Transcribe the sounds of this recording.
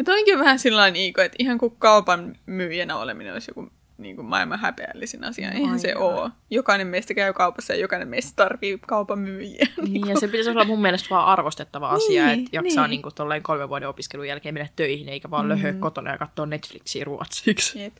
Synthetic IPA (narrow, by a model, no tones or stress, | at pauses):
mut̪oŋkiʋʋæhæsilːɑiniːkoet̪ihɑŋkukkɑupɑnmyːjænæo̰lḛminḛno̰lisjo̰ku | nḭːŋkummɑ̰ilmɑhæ̰pḛæ̰lːisinɑ̰siɑ̰ʔeihænsḛʔoːjokɑinemmeist̪ækæykɑupɑsːɑjɑ̰jokɑinemeist̪t̪ɑrʋiːkɑupɑmyːjæːniːŋiːkjɑsepit̪æsolːɑmmumːiælest̪ʋɑːʔɑrʋost̪et̪ːɑʋɑ̰ɑsiɑet̪jɑsɑːniːŋkut̪olːɑiŋkolmeʋʋuɑdeopiskelujælkeːmenːæt̪tøihineikæʋɑːlløhøːkkot̪onɑ̰jɑ̰kɑt̪ːoːnnet̪fliksḭːruɑ̰t̪siːkset̪